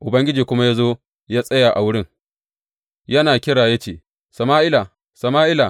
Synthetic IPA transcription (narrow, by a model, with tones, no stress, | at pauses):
ʔʊ˨bɐ˦ŋɡʲɪ˦d͡ʒiː˨kʷʊ˦ma˦jaː˦zoː˦ | jaː˦sʼɐ˦jaː˨ʔa̰˨wʊ˦ɽɪ˦ŋ | jɐ˦naː˨kʲɪ˦ɽaː˨jɐ˦t͡ʃeː˨ | sɐ˨maː˦ʔɪ˦la˨ | sɐ˨maː˦ʔɪ˦la˨